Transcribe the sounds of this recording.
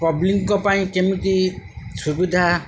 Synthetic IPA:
pɔbliŋkɔpaĩkemit̪isubid̪ʱa

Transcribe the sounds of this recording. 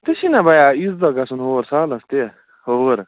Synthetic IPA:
t̪esinabajaizd̪ɐɡasunɦoːɾsaːlɐst̪e | hoɾ

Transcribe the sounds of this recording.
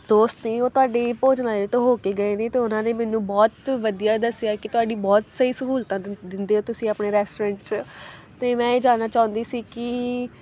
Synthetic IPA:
d̪oːst̪nĩːoːt̪ʊaːɖeːpoːd͡ʒnaːeːt̪õːɦoːkeːɡəeːnẽːt̪eːʊnãːneːmɛ̃ːnũːbɔːt̪ʋəd̪ijaːd̪əsːɪjaːkɪt̪ʊaːɖiːbɔːt̪səiːsəkuːlt̪ãːd̪ɪnd̪eːɦoːt̪ʊsĩːapɳeːɾɛːsʈoːɾɛ̃ːɳʈt͡ʃ | t̪eːmɛ̃ːeːd͡ʒaːnːaːt͡ʃaːʊ̃nd̪iːsiːkɪ

